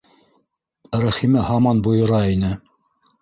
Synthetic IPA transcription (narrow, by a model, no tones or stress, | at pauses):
ɾæχimɘhɑmɑnbujŏɾɑinɘ